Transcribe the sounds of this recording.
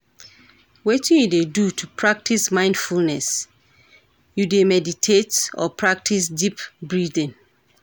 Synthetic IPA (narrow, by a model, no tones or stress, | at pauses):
wetʰĩidedutʰupʰɹak̚tʰismãɪ̃ndfulnɛs | judemɛditʰetɔ̰pʰɹak̚tʰisdipbɹidĩn